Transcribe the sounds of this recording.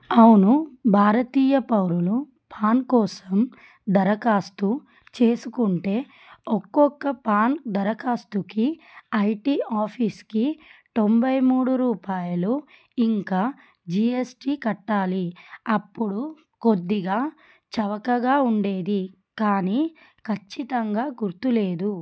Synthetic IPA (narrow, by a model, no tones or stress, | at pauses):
ɐwunubʱaːɾɐt̪iːjɐpɐwɾulu | pʰaːnkɔːsɐm | d̪ɐɾɐkaːst̪u | t͡ʃe̞ːsukuɳʈe̞ː | ɔkːɔkːɐpaːnd̪ɐɾɐkaːst̪ukiɐjʈiːaːpʰiːskit̪o̞mbɐjmuːɽuɾuːpaːjɐlu | iŋkaː | d͡ʒiːesʈiːkɐʈːaːliɐpːuɽu | ko̞d̪ːiɡaː | t͡ʃɐʋɐkɐɡaːuɳɖe̞ːd̪i | kaːniː | kʰɐt͡ʃːit̪ɐŋɡaːɡuɾt̪ule̞ːd̪u